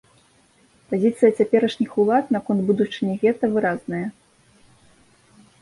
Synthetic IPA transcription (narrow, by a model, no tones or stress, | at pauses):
pazʲit̪sɨjɐt͡sʲapʲɛɾɐʂnʲixulˠat̪nɐkɔnd̪bud̪ut͡ʂɨnʲɛɣɛt̪ɐvɨɾaznɐjɐ